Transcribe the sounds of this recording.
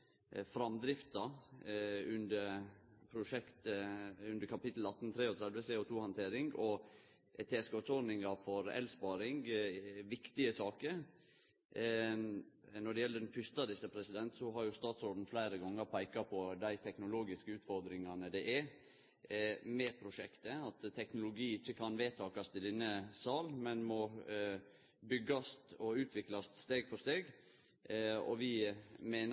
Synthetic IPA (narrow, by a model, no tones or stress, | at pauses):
fɾɑmd̪ɾɪft̪ɑ | ʉnd̪əɾpʰɾʊʂɛkt̪ʉnd̪əɾkʰɑpɪt̪l̩ɑt̪ːn̩t̪ʰɾeːɔt̪ʰɾɛd̪ʋəseːɔt̪ʰuːhɑnt̪ʰeːɾɪŋɔ | t̪ʰeːɛskoːt̪sɔnɪŋɑfɔɾɛ̰lspɑːɾɪŋɡʋɪkt̪ɪəsɑːkəɾ | nɔɖɛjɛlːəɖɛnfʏst̪ɑd̪ɪsəpʰɾɛsɪd̪ɛnt̪sɔɦɑɾjʊst̪ɑːt̪sɾoːd̪n̩flæɪɾəɡɔŋːəɾpʰæɪkɑpʰɔd̪æɪt̪ʰɛknʊloːɡɪskəʉːt̪fɔɾd̪ɾɪŋɑnəd̪ɛʔɛ | mɛpʰɾʊʂɛkt̪əɑt̪ʰːɛknʊlʊɡiːɪçːəkʰɑnʋeːt̪ʰɑːkɑst̪ʰɪd̪ɛnːəsɑːlmɛnmɔ | bʏɡɑst̪ɔʉːt̪ʰʋɪklɑst̪st̪eːɡpfɔst̪eːɡ | ɔ̰ʋɪmeːn